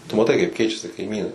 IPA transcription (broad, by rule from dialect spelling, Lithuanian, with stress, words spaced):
tʊ mɐˈtɐɪ kɐɪp ˈkʲɛɪt͡ʃʲɛsʲɪ kɐɪˈmʲiːnɐɪ